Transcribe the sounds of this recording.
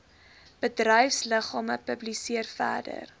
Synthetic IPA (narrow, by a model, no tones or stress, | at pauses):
b̥ədrəjfsləχɑːməpəblisiərfæ̰ːdə̰r